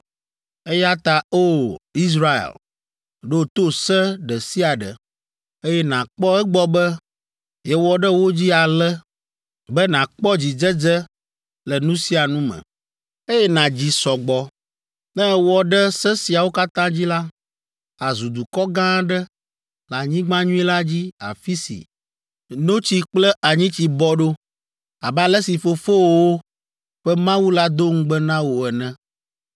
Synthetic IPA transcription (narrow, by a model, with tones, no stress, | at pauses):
e˦ja˦t̪a˨o˦i˦zɾa˦ḛ˨l | ɖo˦t̪o˦sɛ˦ɖɛ˨si˦a˨ɖɛ̰˨ | e˦jɛ˦nã˨k͡pɔ˦ɛ˦ɡ͡bɔ˦bɛ˦ | jɛ˨wɔ˦ɖɛ˦wo˦d͡ʑi˦a˨lɛ˦ | bɛ˦nã˨k͡pɔ˦d͡ʑi˨d͡ʒɛ˦d͡ʒɛ˦ | lɛ˨nũ˦si˦a˨nũ˦mɛ̰̃˨ | e˦jɛ˦nã˨d͡ʑi˨sɔ˨ɡ͡bɔ˨ | nɛ̃˦wɔ˨ɖɛ˦sɛ̃˦si˨a˨wo˦ka˦t̪ã˦d͡ʑi˦la˦ | a˨zu˨d̪u˨kɔ˦ɡã˦ɖɛ˦ | la˨ɲĩ˦ɡ͡bã˦ɲũ˦i˦la˦d͡ʑi˦a̰˨fi˦sḭ˨ | no˦t͡ɕi˨k͡plɛ˦ʔa˨ɲĩ˦t͡ɕi˨bɔ˦ɖo˦ | a˨ba˦lɛ˦si˨fo˨fo˦˨wo˦ | ɸɛ˦mã˦wu˦la˦d̪o˦ŋ̩˦ɡ͡bɛ˦nã˦wo˨ɛ˨nɛ̃˦˨